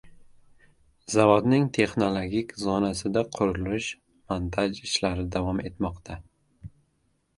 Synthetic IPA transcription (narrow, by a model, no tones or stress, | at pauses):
zavod̪nɪŋt̪ʰe̞χno̞lˠoɡʲikʲzɒnasɪd̪aqʰʊɾʊlʊʃ | mant̪ʰaʒɪʃlaɾɪd̪avɒme̞t̪mɒqt̪ʰa